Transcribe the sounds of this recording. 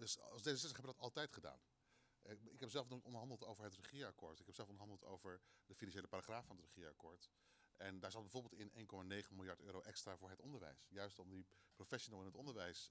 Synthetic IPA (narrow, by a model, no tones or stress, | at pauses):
dɵsɑlˠzdejzəsɛsəχɛbəɡdɑtɑlˠtɛjtχəda̰ːn | ʔɪkɦɛpszɛlˠfnotɔndəɦɑndəlˠtowvəɹɦətrəχiːakʊːɹtɪkɦɛpz̥ɛlˠfɔndəɦɑndəlˠto̰wvəɹdəfinɑnʃejləpaɾaχraːfɑnətrəχiəa̰kʊːɹt | ʔɛndaːɹzɑtd̚bɛjvʊɹbɪːlˠtɪnʔḛjnkɔmaːnejχənmɪlˠjɑɹtøːɾowʔɛkstraːvʊːɹɦɛtɔndəɹʋɛ̰jsjœɥstɔmdiprofɛʃonəlˠɛnɦətɔndəɹʋɛjs